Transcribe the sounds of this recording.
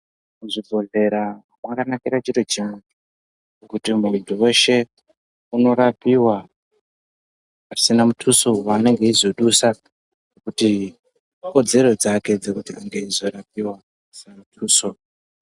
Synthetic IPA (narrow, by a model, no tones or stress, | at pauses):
muʐibʱo̞ɮe̞ɾa | mwakanakiɾat͡ʃiɾo̞t͡ʃimwe | okutimuntʰuwe̞ʃe̞ | uno̞ɾapiwa | asinamutʰuso̞wane̞ŋɡe̞izo̞ɗusa | nekuti | ko̞d͡ze̞ɾo̞d͡zake̞d͡zekutiaŋɡeizo̞ɾap̚iwa | asinamutʰuːso̞